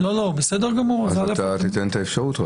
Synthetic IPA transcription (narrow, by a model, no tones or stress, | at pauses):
lolobesed̪eʁɡamuʁaalat̪at̪it̪ent̪aefʃaʁut̪